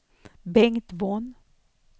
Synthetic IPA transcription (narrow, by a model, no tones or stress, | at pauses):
bɛŋt̪von